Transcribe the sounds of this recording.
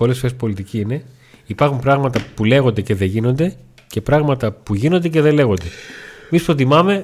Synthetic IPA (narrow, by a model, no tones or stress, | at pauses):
o̞le̞sfoɾe̞spolit̪iciine̞ | ipɐɾxumpɾɐɣmɐt̪ɐpule̞ɣo̞nd̪e̞ce̞ðe̞ʝino̞nd̪e̞ | ce̞pɾɐɣmɐt̪ɐpuʝino̞nd̪ece̞ðe̞le̞ɣo̞nd̪e̞emispɾot̪̬imɐme̞